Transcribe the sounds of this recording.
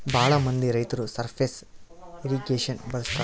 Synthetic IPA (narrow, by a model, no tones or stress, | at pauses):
bʱaːɭɐmɐnd̪iɾɐjt̪ɐɾusɐɾpʰeːseɾiɡeːʃɐnbɐɾust̪ɐ